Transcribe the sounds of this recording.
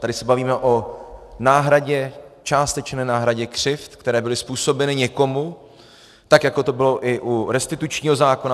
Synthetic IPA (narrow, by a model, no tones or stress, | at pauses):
t̪adɪsɛbaviːmɛʔo̞naːɦɾaɟɛt͡ʃaːst̪ɛt͡ʃnɛːnaːɦɾaɟɛkr̝̥ɪft̪kt̪ɛɾɛːbɪlɪspuːso̞bɛnɪɲɛko̞mu | t̪akjako̞t̪o̞bɪlo̞ʔɪʔuɾɛst̪ɪt̪ut͡ʃɲiːɦo̞zaːkona